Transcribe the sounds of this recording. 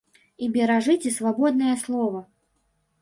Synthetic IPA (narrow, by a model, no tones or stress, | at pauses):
ibʲɛɾaʐɨt͡sʲisvabɔd̪̚nɐjɐslˠɔvɐ